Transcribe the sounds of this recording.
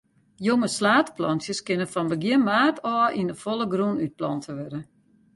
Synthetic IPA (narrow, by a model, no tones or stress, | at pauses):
joŋəslaːtplɔnsjəskɪnəfɔnbəɡjɪnmaːtʰɔːʔinəfolˠəɡrunyt̚plɔntʰəʋɛdə